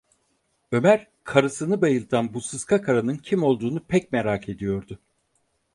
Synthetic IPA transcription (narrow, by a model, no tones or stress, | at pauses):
ø̞mæɾ | kʰaɾɯsɯnɯbajɯlˠt̪ʰanbusɯskʰakʰaɾanɯncʰimo̞lˠd̪uːnupʰɛc̚meɾaːkʰe̞d̪ijo̞ɾd̪ʊ